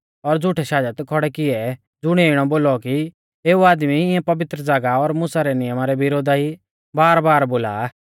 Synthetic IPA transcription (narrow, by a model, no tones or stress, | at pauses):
ɔɾd͡zʱʊʈʰɛʃaːd͡ʒət̪kʰɔɽɛkɪɛ | d͡zʊɽ̃ɛɪɽ̃ɔboːlɔki | eːuaːd̪miɪɛ̃pɐʋɪt̪ɾəd͡zaːɡaɔɾmʊsaɾɛnɪjəmaɾɛʋɪɾoːd̪ai | baːɾbaːɾboːla̰